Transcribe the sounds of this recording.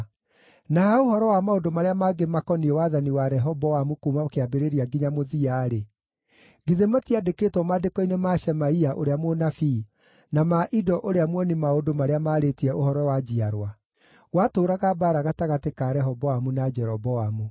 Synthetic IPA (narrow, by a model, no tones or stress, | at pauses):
nahaohɔɾɔwamaodomaɾeamaɡemakɔniɛwaðaniwaɾɛɦɔbɔamukumaokeabeɾeɾiaɡiɲamoðiaɾe | ɡiðemɔtiadeketwɔmadekɔinemaʃɛmaiaʔoɾeamonafi | namaʔidɔʔoɾeamwɔnimaodomaɾeamaːɾetiɛʔohɔɾɔwad͡ʑiaɾwa | watoːɾaɣabaɾaɣataɣatekaɾɛɦɔbɔamunad͡ʒɛɾɔbɔamu